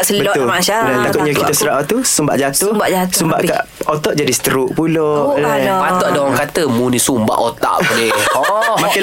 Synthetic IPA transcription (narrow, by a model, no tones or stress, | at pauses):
səlbəɔt̪ʊmaʃalat̪akʊt̪̚ɲakkit̪asuɾaaʔt̪usumba̰ʔd͡ʒat̪ubaʔd͡ʒasumba̰ʔkaʔ | ot̪ɔʔd͡ʒadisə̥t̪əɾuʔpulɔʔlat̪ɔʔdaaŋkat̪əmunisumba̰ʔot̪a̰ʔpuniɔmaka